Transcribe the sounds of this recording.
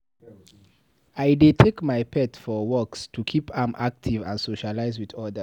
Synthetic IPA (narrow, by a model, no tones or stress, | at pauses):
ajdetʰekmajpʰɛtfɔwɔkstʰukʰipʰãmʔak̚tʰivã̰nsoʃalaɪzwiðɔdə